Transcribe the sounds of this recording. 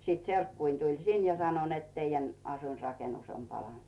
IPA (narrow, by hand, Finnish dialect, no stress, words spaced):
sit serkːuin tulʲ sin jɑ sɑno net teijæn ɑsuinrɑkenus om pɑlɑnt̆